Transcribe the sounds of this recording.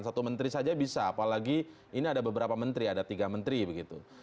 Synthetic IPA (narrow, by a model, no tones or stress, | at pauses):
nsat̪umənt̪ɾisad͡ʒabisaːpalaɡi | iniadabəbəɾapamənt̪ɾiadat̪iɡamənt̪ɾibəɡit̪u